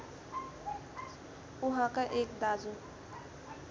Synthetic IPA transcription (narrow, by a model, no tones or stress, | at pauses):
uɦãkaʔekd̪ad͡zu